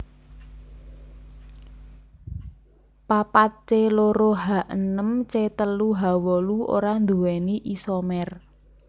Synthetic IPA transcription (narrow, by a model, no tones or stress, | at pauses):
papat̪̚t͡ʃeloɾoɦaʔənəmt͡ʃet̪əluɦawɔluo̰ɾand̪uwɛniʔisɔmɛr